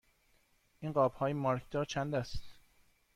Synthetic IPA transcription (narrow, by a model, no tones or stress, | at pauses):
ʔiːnɢɒːb̥hɒːjemɒɾkʰd̪̥ɒːɾt͡ʃʰænd̪æst̪